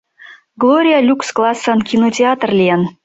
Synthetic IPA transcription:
ɡlˠoɾʲijɑlʲuksklˠɑsːɑnkʲinotʲeɑt̪rlʲijɑn

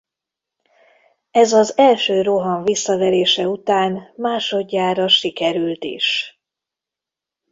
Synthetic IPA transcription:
ɛzɒzɛlʃøːɾo̞ɦɒɱvisːɒvɛleːʃɛut̪aːnmaːʃo̞dɟːaːɾɒʃikɛɾylt̪ḭʃ

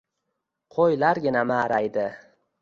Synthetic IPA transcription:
qʰojlaɾɡʲɪnamaːɾajd̪ɪ

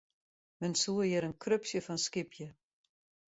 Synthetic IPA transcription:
mɛnsuəjɪɾənkʰrøpsjəfɔnskɪpjə

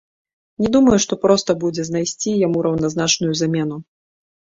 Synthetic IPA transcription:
nʲɛd̪umɐjuʂt̪ɔpɾɔst̪ɐbud͡zʲɛznajsʲt͡sʲijamuɾʔɐwn̪aznat͡ʂnujuzamʲɛn̪u

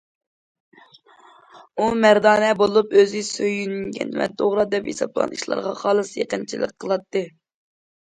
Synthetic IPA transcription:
umæɾd̪ɑːnɛbolˠupøzɨsøjynyɡʲɛ̰nmɛ̰d̪oʁɾɑd̪ɛphḛsɑb̚lˠɑ̰niʃlˠɑ̰ɾʁɑ̰χɑːlˠɨsjeqənt͡ʃʰilˠə̰qqʰːəlˠɑt̪ːɨ

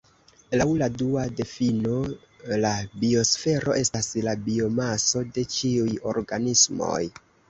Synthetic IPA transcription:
lawladuade̞fino̞ | labio̞sfe̞ɾo̞̰ʔe̞staslabio̞maso̞de̞t͡ʃiujo̞ɾɡanismo̞̰j

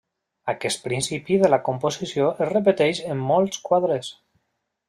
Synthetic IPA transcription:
akɛst̪̚pɾinsipiðəlakomposisjoʔezrəp̬ət̪ɛʃəmːolˠskwaðɾes

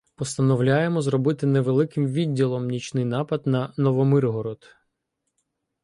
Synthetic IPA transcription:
pɔst̪ɐnɔwlʲajemɔzrɔbɪt̪ɪnɛʋelˠɪkɪmʋʲidʲːilˠɔmnʲit͡ʃnɪjnɑpɐd̪nɐnɔʋɔmɪrɦɔɾɔd̪

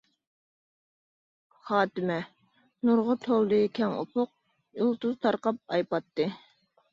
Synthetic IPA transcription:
χɑːt̪ɨmɛ | nuɾʁʊt̪ʰolˠd̪ɨkʲʰɛŋṵpʰʊq̚ | julˠt̪uzt̪ʰɑɾqɑp̚ɑjpɑt̪ːɨ

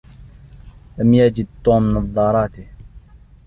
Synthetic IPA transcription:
lamjad͡ʒɪd̪̚t̪ːuːmnɑðˤːɑɾˤɑːt̪i

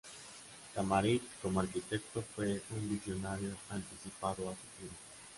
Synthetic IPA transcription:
t̪amaɾit̪komarkit̪ɛt̪ːofweuɱvizjonaɾjoant̪isipat̪oat̪u̥t̪iɾ

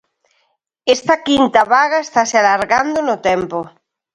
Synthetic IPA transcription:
est̪akint̪aβaɣaest̪asealaɾɣand̪onot̪empo

